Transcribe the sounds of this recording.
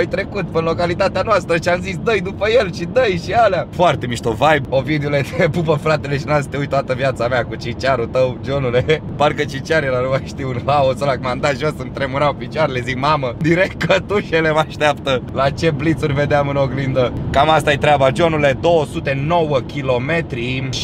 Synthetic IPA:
ojt̪ɾe̞kut̪pɨnlo̞kalit̪at̪eanoast̪ɾəʃiamzisd̪əjd̪upəje̞lʃid̪əjʃialeafoart̪e̞miʃt̪ovajbovid̪eule̞d̪epupəfɾat̪e̞leʃinasi̥t̪eujt̪oat̪əvjat̪sameakut͡ʃit͡ʃaɾut̪əwd͡ʒo̞nule̞parkət͡ʃit͡ʃaɾilaɾuvaʃt̪iunɦaosolakmand̪aʒosɨnt̪ɾe̞muɾawpit͡ʃoaɾelezikmaməd̪iɾe̞kt̪̚kət̪uʃelemaʃt̪eap̚t̪əlat͡ʃe̞blit̪surʲve̞d̪eamɨnoɡlind̪əkamast̪aajt̪ɾʲeabad͡ʒo̞nule̞d̪o̞wosut̪e̞no̞wəkʲilo̞me̞t̪ɾi

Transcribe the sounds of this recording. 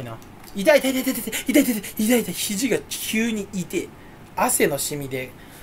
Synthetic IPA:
ina | it̪ait̪ait̪at̪at̪at̪ait̪ait̪at̪ait̪ait̪açiʑiɡakʲʰɨːɲ̟iit̪e̞ | ase̞no̞ɕimʲid̪e̞

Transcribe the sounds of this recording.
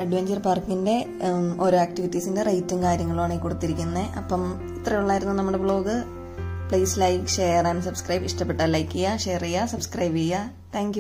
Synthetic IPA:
ɐɖʋeɲd͡ʑɐrpaːrkːinde̞ | o̞ːɾo̞ːaːkʈiʋitːisinde̞rɐjtːumkaːɾjɐŋːɐɭuaːɳeikoɽut̪ːiɾikʲːunːɐeʔɐpːɐm | it̪rɐjuɭːaːjiɾunːunɐmːuɽe̞bɭo̞ːɡɨ | pɭeːslɐjkʂeːjraːnsɐbskrɐjbiʂʈɐpːeʈːaːlɐjkʲːijaʂeːrijasɐbskrɐjbija | t̪ʰaːŋkʲju

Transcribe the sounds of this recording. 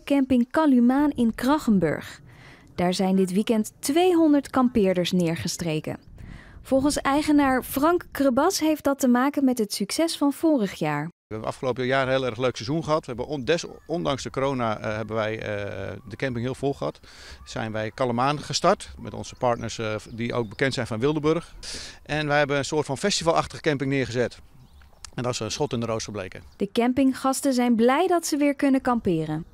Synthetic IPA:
kɛmpɪŋkɑlymaːnɪnkrɑχəmbɵ̰ɹχ | d̥aːɹzɛjndɪtʋikɛntːʋejɦɔndəɹtkɑmpɪːɹdəɹsnɪːɹχəstrejkə̰nv̥ɔlˠχənsɛjχənaːɹfrɑŋkːrəbɑsɦejfdɑtəmaːkənmɛtɦətsyksɛsfɑnv̥ʊːrəχjaːɹ | ɛbənʔɑ̰fχəlowpəəjaːɾɦeːlˠɛɹχløɥksɛzunχəɦɑtʋəɦɛbəndɛsɔndɑŋzdəkoɾownaɦɛbənʋɛj | dəkɛmpɪŋɦɪːlˠvolˠχəɦɑt | sɛ̰jnʋɛjkɑlˠəmaːnχəstɑɹtmɛ̰tɔ̰nz̥əpɑɹtnəɹsdiʔo̰wɡ̚bəkɛntsɛjnfɔnʋɪlˠdəbørχʔɛnʋɛjɦɛbənənsʊːtfɑnfɛstivɑlˠɑχtəχə̥kɛmpɪŋnɪːɹχəzɛt | ɛndɔsənsχɔtɪndəroːstəblḛjkəd̥əkɛmpɪŋχɑstəzɛjnblɛjdɑtsəʋɪːɹkɵnəkɑmpɪːrən

